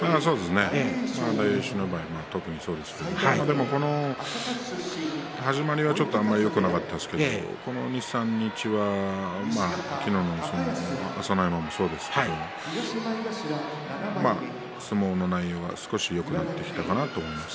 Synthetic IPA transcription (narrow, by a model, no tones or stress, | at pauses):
aːsoːd̪e̞sɨne̞sãnd̪aiɕinobaːimaːt̪o̞kɯ̟ɲ̟iso̞ːd̪e̞sɨ̥ked̪omad̪e̞mo̞ko̞no̞ | haʑimaɾʲiβat͡ɕo̞t̪ːo̞amːaɾijo̞kɯ̟nakat̪ːeasɨ̥ke̞d̪o̰ko̞no̞̰ɲisãɲ̟ːit͡ɕiβamakʲinoːnomosonoasonaimamoso̞ːd̪e̞sɨ̥keoa | ma | sɨmo̞ːno̞naijo̞ːβa̰sɨ̥ko̞ɕijo̞kɯ̟nat̪ːe̞kʲi̥t̪akanat̪o̞ːmo̞imasɨ̥